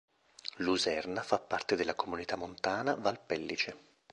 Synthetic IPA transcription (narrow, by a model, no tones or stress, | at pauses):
luzɛrnafapːart̪ed̪elːakomunit̪amːont̪aːnavalpɛlːit͡ʃe